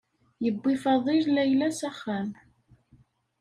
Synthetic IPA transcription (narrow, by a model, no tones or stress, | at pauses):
jəbːifɑðˤillæjlæsæχːæm